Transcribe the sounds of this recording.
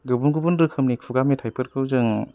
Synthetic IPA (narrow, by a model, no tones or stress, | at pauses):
ɡɯbunɡubunɾɯkʰɯmnikʰuɡametʰajpʰɯɾkʰɯwzɯŋ